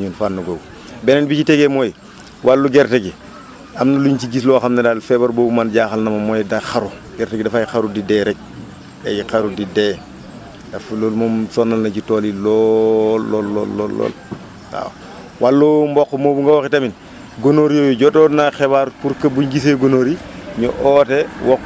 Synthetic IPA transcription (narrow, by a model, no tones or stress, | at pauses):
ɲunfanːuɡow | bɛnɛnbiciteɡemoj | walːuɡɛɾteɡi | ɐmnɐluɲciɡis̬lɔxɐmnɐdaːlfɛbɐɾbobumanɟaxɐlnɐmɐmojdaxaɾu | ɡɛɾteɡidɐfajixaɾudidɛɾɛk̚ | a̰jikɐɾudideː | d̥ɐfloːlmomsɔnːɐlnɐɟitoːlilɔlːɔlːɔ̰ːlːɔ̰ːlːɔ̰ːl | a̰ːw | walːumbɔkːmoːbuŋɡawɔkitɐmin | ɡonoɾijojuɟɔtɔːnaxɛβaɾpuɾkɐbuɲɡis̬eɡonoɾiɲɔ̰ʔɔtɛwɔk